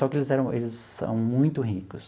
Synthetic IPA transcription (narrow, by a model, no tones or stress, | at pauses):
ɔkɪelɪzɛɾɐ̃w̃ʔelɪzsɐ̰̃w̃mũj̃t̪ʊɦikʊs